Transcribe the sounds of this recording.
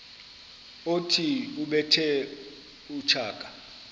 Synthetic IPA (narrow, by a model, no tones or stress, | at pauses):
otʰiuɓɛtʰɛ | ut͡ʃʰaːkʼḁ